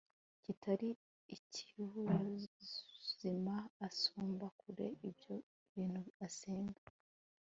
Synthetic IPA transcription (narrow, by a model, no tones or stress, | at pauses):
citʰaɾiː | ciβuɾa | z̥imaːsoːmbakuɾe̞̰ibjo | βiːnhuaseːŋɡḁ